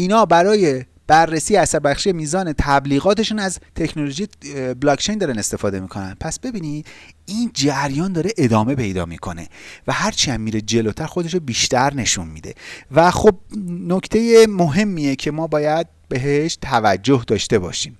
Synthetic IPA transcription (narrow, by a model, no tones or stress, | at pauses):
iːnɒːbæɾɒːje̞ | b̥ærːesiːjeæsæɾbæxʃiːje̞miːzɒːne̞t̪ʰæbliːɣɒːt̪ʰe̞ʃunæzt̪ʰe̞cʰnoloʒijeblɒːkʰt͡ʃʰe̞jnd̪ɒːɾæne̞st̪e̞fɒːd̪e̞miːkʰo̞næ̰npʰæsb̥e̞biːnid̪̥ | iːnd͡ʒæɾjɒːnd̪ɒːɾe̞ʔed̪ɒːme̞pʰe̞jd̪ɒ̰ːmḭːkʰo̞ne̞̰væhæɾt͡ʃʰiæmːiːɾed͡ʒe̞lot̪ʰæɾxo̞d̪e̞ʃobiːʃt̪ʰæɾne̞ʃunmḭːd̪e̞̰væxob̚nokʰt̪ʰe̞jemoɦe̞mːiːjecʰe̞mɒːbɒːjæd̪̚be̞ɦeʃt̪ʰævæd͡ʒːo̞hd̪ɒːʃt̪e̞bɒ̰ːʃiːm